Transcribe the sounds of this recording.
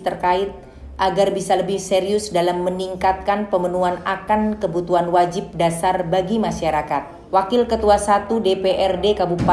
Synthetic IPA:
t̪ərkaɪt̪̚ | ʔaɡarbisaləbɪhseɾiʊsdalamːəniŋkat̪̚kanpəmənuanakankəbut̪uanwad͡ʒɪp̚dasarbaɡimaʃaɾakat̪̚ | wakɪlkət̪uasat̪udepeʔɛrdekabupa

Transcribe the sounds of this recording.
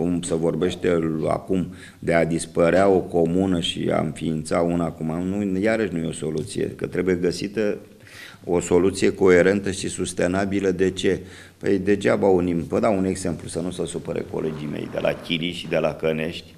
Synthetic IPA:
kumsevo̞rbe̞ʃt̪ea̰kum | d̪e̞ad̪ispəɾeao̞ko̞munəʃḭa̰ɨ̰ɱfiːnt̪saunakumanujaɾəʃnuje̞o̞so̞lut̪sijḛkət̪ɾe̞buje̞ɡəsit̪ə | o̞so̞lut̪sije̞ko̞e̞ɾe̞nt̪əʃisust̪e̞nabiləd̪e̞t͡ʃe̞ | pəjd̪e̞d͡ʒavaunimvəd̪aune̞ɡz̥e̞mplusənusəsupəɾḛko̞̰le̞d͡ʒime̞̰jd̪e̞̰lʔa̰kʲiliʃid̪e̞lakəne̞ʃt̪ʲ

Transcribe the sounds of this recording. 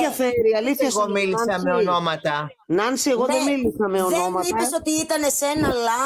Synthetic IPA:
ɐfeɾiɐliθçɐsɣomilissɐmeonomɐt̪ɐ | nɐnsie̞ɣo̞ðemilisɐmeo̞no̞mɐiɐsot̪iit̪ɐnesenɐlɐ

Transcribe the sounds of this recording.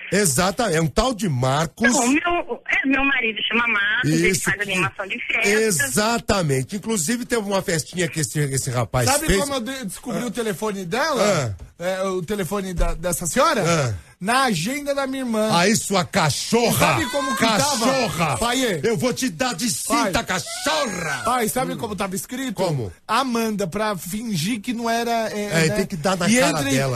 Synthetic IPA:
ezat̪ɐɛũt̪awd͡ʒɪmaɾkʊsõmewɛmewmaɾid̪ʊʃɐmɐmaɾɾkĩsʊɾd̪ɐnimasɐ̃w̃d͡ʒɪfɛezat̪ɐmẽnt͡ʃɪĩkluzivɪt̪ẽvɪũmɐfɛst͡ʃĩɲɐkɪesɪesɪhapajsabɪkfekõmʊewd̪wd̪ɪ̥skubɾiʊt̪elefõnɪd̪ɛlɐɐ̃ɛʊt̪elefõnɪd̪ɐd̪ɛsɐseɔɾɐɐ̃ | nɐaʒẽnd̪ɐd̪ɐmĩɲɐiɾmɐ̃aisuɐkaʃoʁsɐabɪkõmʊkɪat̪avɐoʁɐpajeewvot͡ʃɪd̪aɾd͡ʒɪspĩajt̪ɐkaʃoʁɐpajsabɪkõmʊt̪avɐiskɾit̪oʊ̃mʊ̰ | amɐ̃nd̪ɐpɾɐfĩʒiɾkɪnɐ̃w̃ɛɾɐɛɛɛẽj̃kɪd̪aɾnɐɪeãɾɐɾd̪ɛlɐ

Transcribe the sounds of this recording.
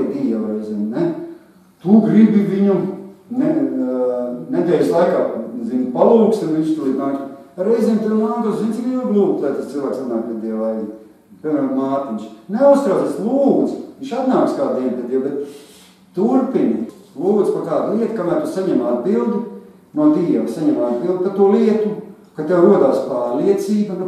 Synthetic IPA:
d̪iaɾɛjzʲɛːmnɛ | t̪uɡɾibiʋiɲunɛ | ned̪ɛːlʲslˠajkaːzinpalˠuːkst̪unʋiɲʃst̪uliːt̪naːksaɾɛjzʲiɛːmt̪ulaːɡ̪oszinsiɡuɡ̪lˠuːk̚t̪lˠajt̪ast̪silˠʋæːksat̪naːk̚pʲiɛd̪iɛlaj | pʲiɾmæːɾmaːt̪inʃneust̪ɾaːest̪lˠuːd̪zʋinʲʃat̪naːkskaːd̪̚d̪iɛnpɛd̪ʲjiɛwbɛt̪ | t̪uɾpin | lˠuːd̪z̥pakaːd̪lˠiɛt̪kamæːɾt̪usaɲɛmad̪bilˠd̪i | nuɔt̪iːɛʋsaɲɛmaad̪bilˠd̪̚kat̪uɔliɛt̪u | kat̪ewɾuɔd̪aːspaːɾliɛt̪siːbɐ

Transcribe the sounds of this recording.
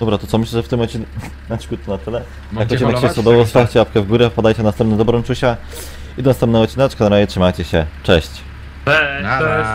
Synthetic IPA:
d̪ɔbɾat̪ɔt̪ɔmɘɕlɛʐɛft̪ɘmɔt͡ɕinɛk | naɕi̥kut̪̚k̪ɔnat̪ɘlɛ | jjakɔt͡ɕinɛkkɕɛsɔd̪ɔvɔst̪aft͡ɕɛapkɛvɡuɾɛfpad̪ajt͡ɕɛnast̪ɛmp̪nɛd̪ɔbɾɔnt͡ʂuɕa | id̪ɔnast̪ɛmpnɛɔt͡ɕinat͡ʂkanaɾaʑɛtʂɘmajt͡ɕɛɕɛt͡ʂɛɕt͡ɕ

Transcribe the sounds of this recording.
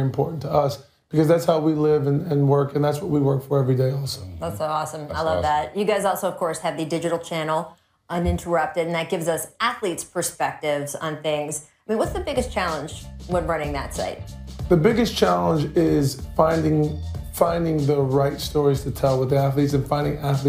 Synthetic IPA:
ɨ̃mpʰɔ̰ɹʔn̩tʰəʌs | b̥ɨkʰʌzðætshaʊwilɪvɨ̃nɨ̃nwɜ˞kɨ̃nðætswʌt̚wiwɜ˞kfə˞ɛvɹideɪɔlˠsoʊðætsoʊɔsə̃maɪlʌvðæt̚jɨɡaɪzɔlˠsoʊʌv̥kʰɔɹshɨvðɨdɪd͡ʒɨɾl̩ˠt͡ʃʰæ̃nl̩ˠ | ʔʌ̃nɪ̃ntʰə˞ʌp̚tɨɾ̃n̩ðɨt̚ɡ̥ɪvzʌsæθlitspʰə˞spɛk̚tɪvzn̩θɪ̃ŋz̥aɪmĩnwʌtsðɨbɪɡɨst͡ʃʰælˠə̃nd͡ʒwə̃nɹʌ̃nɪ̃ŋðɨ̰tsa̰ɪt̚ðɨbɪɡɨst͡ʃʰælˠə̃nd͡ʒɪz̥fãɪ̃ndɪ̃ŋfãɪ̃ndɪ̃ŋðəɹaɪtstɔɹiz̥tʰɨtʰɛlˠwʌðiæθlitsɨ̃nfãɪ̃ndɪ̃ŋæθli

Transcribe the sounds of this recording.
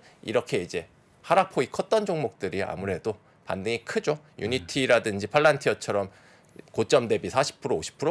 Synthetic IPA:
ḭɾʌkʰe̞id͡ʑe̞ | haɾapʰoikʰʌt̚t͈ʌnd͡ʑoŋmok̚t͈ɯɾia̰muɾe̞do | pa̰ndɯŋikʰɯd͡ʑo | juɲitʰiɾadɯnd͡ʑipʰaɭːantʰijʌt͡ɕʰʌɾʌm | kot͡ɕ͈ʌmde̞bisʰaɕʰi̥pʰɯɾooɕʰi̥pʰɯɾo

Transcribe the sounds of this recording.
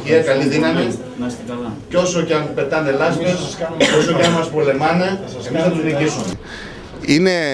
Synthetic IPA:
çiɐkɐliðinɐmi | co̞socɐnpe̞t̪ɐne̞lɐskeso̞soɐnmɐspo̞le̞mɐneemisθɐt̪ɾicisume | ine

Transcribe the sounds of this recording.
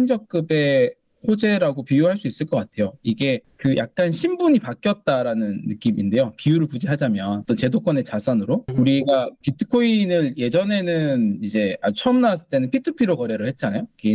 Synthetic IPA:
ind͡ʑʌk̚k͈ɯbe̞ | hod͡ʑe̞ɾaɡopijuɦaɭs͈uis͈ɯɭk͈ʌk͈atʰe̞joiɡe̞ | kɯjʔa̰k̚k͈anɕʰimbuɲipak͈jʌt̚t͈aɾanɯnːɯk͈iminde̞jopijuɾɯɭpud͡ʑiɦad͡ʑamjʌnt͈ot͡ɕe̞dok͈ʌne̞t͡ɕasʰanɯɾouɾiɡapitʰɯ̥kʰoinɯɭje̞d͡ʑʌne̞nɯnid͡ʑe̞ad͡ʑut͡ɕʰʌmnas̬ʰɯ̥t͈e̞nɯnpʰitʰɯpʰiɾokʌɾe̞ɾɯɭhe̞t̚t͡ɕ͈anajoke

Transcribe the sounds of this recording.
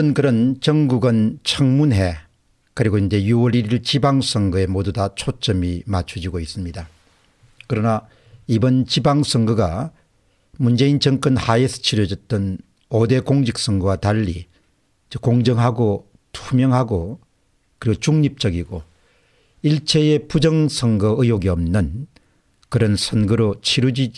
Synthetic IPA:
ɯnkɯɾʌnt͡ɕʌŋɡuɡɯnt͡ɕʰʌŋmunɦe̞ | kɯɾiɡoind͡ʑe̞juwʌɾiɾiɭt͡ɕibaŋs͈ʰʌŋɡɯe̞modudat͡ɕʰot͡ɕ͈ʌmimat͡ɕʰud͡ʑiɡois͈ɯmɲida | kɯɾʌna | ibʌnt͡ɕibaŋs͈ʰʌŋɡɯɡa | mund͡ʑe̞int͡ɕʌŋk͈ʌnhaesʰɯ̥t͡ɕʰiɾʌd͡ʑʌt̚t͈ʌn | ode̞koŋɕik̚s͈ʌŋɡowataʎːi | t͡ɕokoŋd͡ʑʌŋɦaɡo | tʰumjʌŋɦaɡo | kɯɾiɡot͡ɕuŋɲip̚t͡ɕ͈ʌɡiɡo | iɭt͡ɕʰe̞epud͡ʑʌŋsʰʌŋɡʌɯjoɡiʌmnɯn | kɯɾʌnsʰʌnɡɯɾot͡ɕʰiɾud͡ʑi

